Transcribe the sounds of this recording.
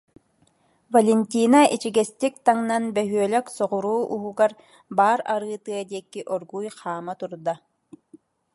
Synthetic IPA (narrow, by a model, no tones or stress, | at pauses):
vɐlʲɛnʲt̪ʲiːnaʔit͡ʃiɡɛst̪ik̚t̪aŋnanbɛɦyœlɛksɔʁuɾuːʔuɦuɡaɾ | baːɾaɾɯːt̪ɯɐd̪iɛkːiʔɔɾɡujχaːmat̪uɾd̪a